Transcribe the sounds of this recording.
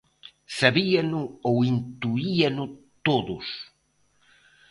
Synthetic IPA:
saβianʊowint̪uianʊ | t̪oðʊs

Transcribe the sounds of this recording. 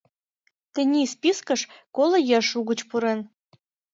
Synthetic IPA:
t̪ɘ̆nʲispiskəʃkolə̆jɑʃuɣət͡ɕpuɾen

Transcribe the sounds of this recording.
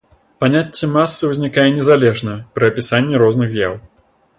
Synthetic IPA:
panʲatʲːɛmasːɨuzʲnʲikajɛnʲɛzalʲɛʐnɐpɾɐɐpʲisanʲːɛɾɔznɨɣzʲja̰w

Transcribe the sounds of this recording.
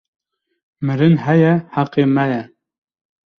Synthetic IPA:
mɨɾɨnɦɛjɛhaqeːmɛjɛ

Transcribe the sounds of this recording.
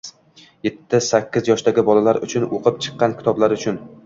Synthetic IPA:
jet̪ʰːɪsakʲːɪzjɒʃt̪aɡʲɪbɒlalaɾʊ̰t͡ʃʰʊnoqʰɨpt͡ʃʰɨ̥qːɑnkʲʰɪ̥t̪ʰɒblaɾʊt͡ʃʰʊn

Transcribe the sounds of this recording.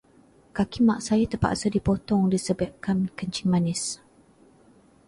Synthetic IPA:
kakimaʔsajat̪əpa̰ʔsədipɔt̪ɔŋdisəbap̚kankəɲt͡ʃiŋmanɪs

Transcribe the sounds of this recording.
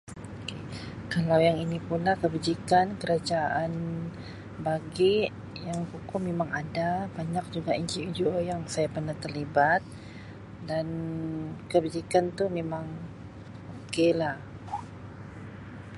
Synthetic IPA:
oke | kalawjaŋinipulakəbid͡ʒikankəɾad͡ʒaʔan | baɡɪʔ | jaŋkukʊmemaŋadabaɲak̚d͡ʒuɡaiɲt͡ʃiud͡ʒuojaŋsajapərnat̪ərlibat̪̚ | dan | kəbid͡ʒikant̪umemaŋ | okelah

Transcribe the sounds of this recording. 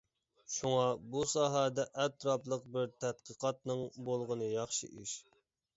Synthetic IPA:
ʃuŋɑbusɑːɦɛd̪ɛʔːt̪ɾɑplˠəq̚bɪɾt̪ʰæt̪̚qəqʰɑt̪̚nɨŋbolˠʁənɨjɑχʃḭʔiʃ

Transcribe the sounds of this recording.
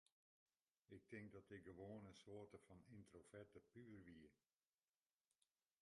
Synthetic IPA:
ɪk̚tɪŋk̚dɔtɪk̚ɡəʋoːənəsoətəfɔnintrofɛtəpyərʋiə

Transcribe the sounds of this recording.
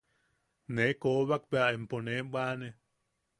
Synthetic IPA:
nekoβak̚beaʔemponebaːne

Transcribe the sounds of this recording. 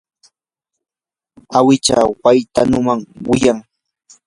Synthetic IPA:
awɪt͡ʃa̰wajt̪anʊmaŋwɪjaŋ

